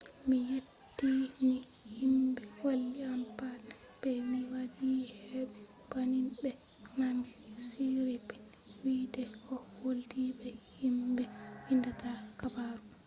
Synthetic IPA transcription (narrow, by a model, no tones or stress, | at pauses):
mijetːimi | himbɛwalːiampanɛ | b̥ɛmiwadihɛbɛ | b̥aninɗɛ | naŋɡisiɾipɛn | widɛʔɔwoldibɛhimbɛwindataɾkabaɾu